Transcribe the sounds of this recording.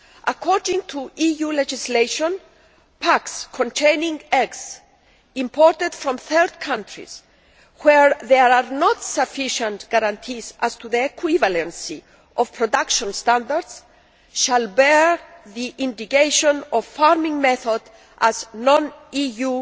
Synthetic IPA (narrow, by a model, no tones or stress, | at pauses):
ʔakʰɔɾdĩŋt̪ʰuʔijulɛd͡ʒisleʃɔ̃n | pʰakskʰɔ̃nt̪ʰẽjnĩŋɛks | ĩmpʰɔɾt̪ɛd̪fɾɔ̃mθɜɾd̪kʰãntʰɹḭs | wɛɹðɛanɔt̪safiʃə̃nt̪ɡ̥aɾãnt̪ʰizast̪uðiekʰwivalɛ̃nsi | ʔɔv̥pʰɾɔd̪akʃɔ̃nst̪ãnd̪aɾd̪s | ʃalbɛɹðiʔĩnd̪ikeʃɔ̃nɔvfaɾmĩŋmɛθɔd̪ | ʔaznɔ̃niju